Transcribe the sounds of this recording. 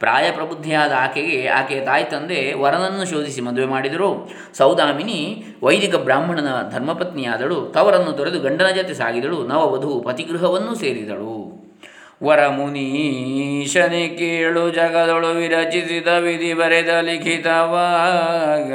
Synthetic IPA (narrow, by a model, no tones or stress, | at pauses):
pɾa̰ːjɐpɾɐbud̪ʱːijaːd̪ɐaːkeɡe̞a̰ːkejɐt̪aːjt̪ɐnd̪eʋɐɾɐnɐnːuʃoːd̪ʱisimɐnd̪uʋemaːɽid̪ɐɾu | sɐwd̪aːmini | ʋɐjd̪ʱikɐbɾaːmbʱɐɳɐd̪ɐd̪ʱɐɾmɐpɐt̪nijaːd̪ɐɭut̪ɐʋɐɾɐnːut̪ɔɾe̞d̪uɡɐɳɖɐnɐd͡ʒɐt̪esa̰ːɡid̪ɐɭunɐʋɐʋɐd̪ʱupɐt̪iɡɾuɦɐʋɐnːuseːɾid̪ɐ̰ɭu | ʋɐɾɐmuni | ʃɐnekeɭud͡ʒɐɡɐd̪ɐɭuʋiɾɐt͡ʃisid̪ɐʋid̪ʱibɐɾed̪ɐlikʰit̪ɐʋaːɡ